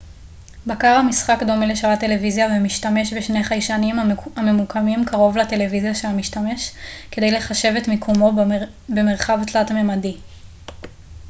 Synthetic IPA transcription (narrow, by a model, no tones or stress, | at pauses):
bakaʁhamisχakd̪o̞meleʃaʁat̪e̞levizjavemiʃtame̞ʃbeʃne̞jχajʃanimame̞mukʰamimkʰaʁo̞vlate̞le̞vizjaʃelamiʃtame̞ʃke̞de̞jle̞χaʃe̞vetmikʰomo̞ | be̞me̞ʁχavtlatamemadi